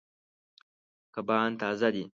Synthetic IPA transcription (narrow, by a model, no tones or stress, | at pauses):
kɐbaːnt̪aːzɐd̪i